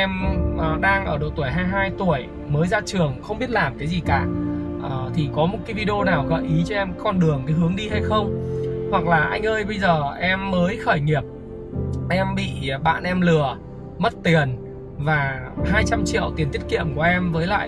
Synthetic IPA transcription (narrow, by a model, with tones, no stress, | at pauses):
ʔɛ˧mʔɗaː˧ŋʔəː˧˩ɗo̰˧˨jt̪u˧˩əjɦaː˧jɦaː˧jt̪u˧˩əj | məː˨˦jzaː˧t͡ɕɨ˨˩əŋxə˧wŋ͡mɓi˦˥ət̚laː˨˩mkaː˨˦jzi˨˩kaː˧˩ʔəː˨˩t̪ʰi˨˩kɔ˨˦mo˨˩t̚kaː˨˦vi˧ɗo˧naː˨˩wɣəː˧˩jʔi˨˦t͡ɕɔ˧ʔɛ˧mkɔ˧nɗɨ˨˩əŋkaː˨˦jɦɨ˨˦əŋɗi˧ha˧jxə˧wŋ͡mhwa˨˩k̚laː˨˩ʔa˧jŋ̟ʔəː˧jɓə˧jzəː˨˩ʔɛ˧mːəː˨˦jxəː˧˩jŋi˨˩əp̚ | ʔɛ˧mɓḭ˧˨ɓa̰ː˧˨nʔɛ˧mlɨ˨˩ə | mə˦˥t̚t̪i˨˩ən | vaː˨˩haː˧jt͡ɕa˧mt͡ɕḭ˧˨əwt̪i˨˩ənt̪i˦˥ət̚kḭ˧˨əmku˧˩əʔɛ˧mvəː˨˦jla̰ː˧˨j